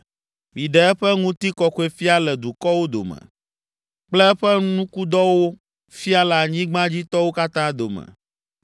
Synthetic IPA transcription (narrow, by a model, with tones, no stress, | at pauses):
mĩ˨ɖɛ˨ɛ˦ɸɛ˦ŋũ˦t̪i˦kɔ˨xu˦e˨fi˦a˦lɛ˨d̪u˨kɔ˦wo˦d̪o̰˨mɛ̰̃˨ | k͡plɛ˦ɛ˦ɸɛ˦nũ˦ku˦d̪ɔ˦wo˦ | fi˦a˦la˨ɲĩ˦ɡ͡bã˦d͡ʑi˦t̪ɔ˦wo˦ka˦t̪ã˦d̪o˨mɛ̰̃˨